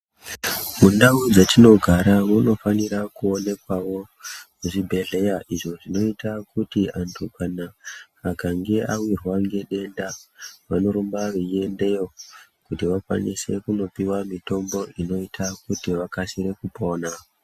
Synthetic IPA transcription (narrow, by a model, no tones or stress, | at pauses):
mundaud͡zatino̞ɡʱaɾauno̞faniɾakuo̞ne̞kwaʋo̞ | muʐibʱe̞ɮe̞jaʔiʐo̞ʐino̞itakutiʔantʰukanaː | kaŋɡe̞awirwaŋɡe̞ɗe̞ndaʋano̞ɾumbaʋeie̞nde̞jo | kutiʋakwa̰nḭse̞kuno̞piwamito̞mbo̞ʔino̞itʰakutiʋakasiɾe̞kupo̞ːna